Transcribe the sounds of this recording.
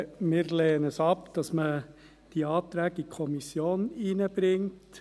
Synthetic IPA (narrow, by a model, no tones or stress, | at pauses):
mɪːɾleːənɛsɑpd̥ɑsmə | d̥iɑːtɾɛːɡ̥əikʰɔmisjoːninəb̥ɾɪŋt